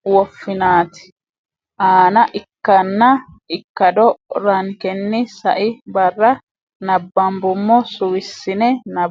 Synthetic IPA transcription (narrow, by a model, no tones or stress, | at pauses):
wɔfːɪnaːt̪ɪ̥ | ʔaːnɐʔɪkːɐnːɐ | ɪkːɐd̪ɔɾɐŋkɛnːɪsɐʔɪbɐrːɐ | nɐbːɐmbʊmːɔsʊwɪsːɪnɛnɐ